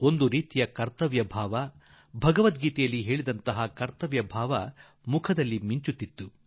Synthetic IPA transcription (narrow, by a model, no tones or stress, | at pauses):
o̞nd̪uɾiːt̪ijɐkɐɾt̪ɐʋjɐbʱaːʋɐ | bʱɐɡɐʋɐt̪̚ɡiːt̪ɛjɐlːiɦe̞ːɭid̪ɐnt̪ɐɦɐkɐɾt̪ɐʋjɐbʱaːʋɐ | mukʰɐd̪ɐlːimiɲt͡ʃut̪ːit̪ːu